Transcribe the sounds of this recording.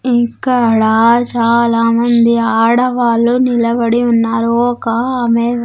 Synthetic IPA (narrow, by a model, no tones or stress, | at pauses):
iŋkːɐɽaːt͡ʃaːlaːmɐnd̪iaːɽɐʋaːlunilɐbɐɽiunːaːɾuɔkɐːmeː